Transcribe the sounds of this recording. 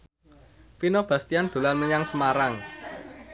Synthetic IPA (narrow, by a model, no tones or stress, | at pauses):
finob̥a̤st̪iand̪̥ṳlanməɲaŋsəmaɾaŋ